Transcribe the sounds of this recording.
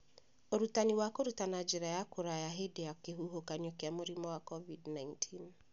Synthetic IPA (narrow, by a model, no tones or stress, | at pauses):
oɾutaniwakoɾutanad͡ʒeɾajakoɾajaɦedejakeɦuɦokaɲokeamoɾimɔwakɔvidnaintʰin